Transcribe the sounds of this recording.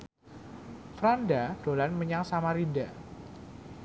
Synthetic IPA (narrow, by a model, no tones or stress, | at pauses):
fɾandad̥olanməɲaŋsamaɾinda